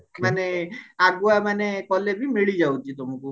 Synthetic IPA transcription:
maneaɡuamanekɔlebʱimiɭid͡ʒaut̪it̪om̤uku

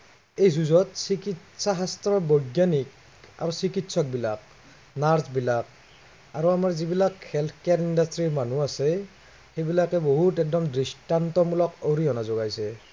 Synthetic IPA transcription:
ejzuzɔtsikit | saɦastɔbɔjɡjanik | a̰ɹɔsikitsɔk̚bilak̚ | naɹsbilak | aɹuamaɹzibilakxɛlt̪ʰkjaɹindastɹiɹmanuasɛ | xejbilakɛboɦutɛk̚dɔmdistantɔmulɔkoɹiɔnazɔɡajsɛ

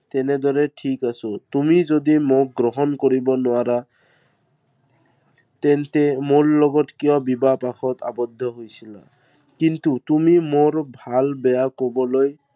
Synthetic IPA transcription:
tɛnɛd̪ɔɹɛʈʰikasɔtumizodimok̚ɡɹɔɦɔnkoɹibɔnʊaɾa | tɛntɛmoɹlɔɡɔtkijɔbibapaxʰɔta̰bɔd̪ʱːɔɦojsila̰ | kintutumimoɹbʱalbɛjakobɔloj

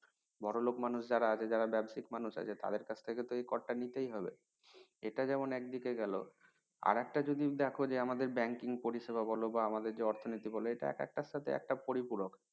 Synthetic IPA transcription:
bɔɽolokmanuʃd͡ʑaɾaat͡ɕʰed͡ʑaɾabɛbʃikmanuʃa̰t͡ɕʰet̪a̰d̪eɾkat͡ɕʰt̪ʰeket̪oejkɔɽʈanit̪ejɦɔbḛ | eʈad͡ʑɛmonɛk̚d̪ikeɡɛlo̰ | a̰ɾɛk̚ʈad͡ʑod̪id̪ɛkʰod͡ʑeamad̪eɾbɛŋkiŋpoɾiʃeβabɔlobaamad̪eɾd͡ʑeɔɾt̪ʰonit̪ibɔloeʈa̰ɛ̰kɛ̰k̚ʈaʃat̪ʰḛɛ̰k̚ʈapoɾipuɾok

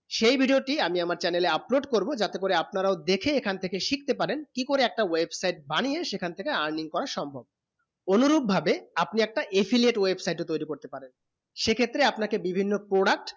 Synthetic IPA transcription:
ʃejbʱiɖioʈiamiamaɾt͡ɕɛneleaploɖkoɾbod͡ʑat̪ekoɾeapnaɾaod̪ekʰeekʰant̪ʰekeʃik̚t̪epaɾenkikoɾeɛk̚ʈawebsajʈ̚banijeʃekʰanet̪ʰekeaɾniŋkɔɾaɾʃɔmbʱob̚ | onuɾuɡ̚bʱabeapniɛk̚ʈaʔepʰilieʈwebsajʈot̪ojɾikoɾt̪epaɾen | ʃekʰet̪ːɾeapnakebibʱinːopɾoɖak̚ʈ

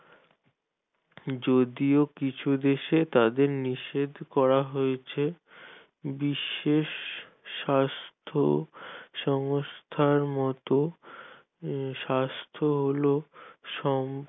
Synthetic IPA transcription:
d͡ʑod̪iokit͡ɕʰud̪eʃet̪ad̪eɾniʃed̪kɔɾaɦojet͡ɕʰe | biʃːeʃː | ast̪ʰo̰ʃɔŋst̪ʰaɾmɔt̪o | ʃast̪ʰoɦoloʃɔm

